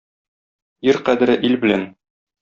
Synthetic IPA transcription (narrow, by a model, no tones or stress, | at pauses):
iɾqæd̪ɘ̆ɾɘʔilbɘ̆læn